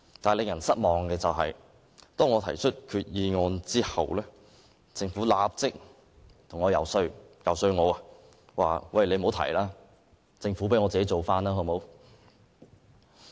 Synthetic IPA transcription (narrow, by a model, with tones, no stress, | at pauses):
t̪aː˨˩lɪ˨˧ŋjɐ˨˩nsɐ˥t̚mɔː˨ŋkɛː˧t͡sɐ˨wɦɐ̰˨j | t̪ɔː˥ŋɔː˨˧t̪ʰɐ˨˩jt͡ʃʰɵ˥t̚kʰyː˧t̚jiː˧ŋɔː˧nt͡siː˥hɐ̰˨wlɛː˥ | t͡sɪ˧ŋfuː˨˥laː˧p̚t͡sɪ˥k̚ | t̪ʰʊ˨˩ŋɔː˨˧jɐ˨˩wsɵ˧ɥjɐ˨˩wsɵ˧ɥŋɔː˨˧ɐ˧ | wa̰ː˨wɐ˧˨jle˨˧jmo˨˥wt̪ʰɐ̰˨˩jlaː˥ | t͡sɪ˧ŋfuː˨˥pe˨˥jŋɔː˨˧t͡siː˨ke˨˥jt͡so˨wfaː˥naː˥hɔ˨˧mo˨˥w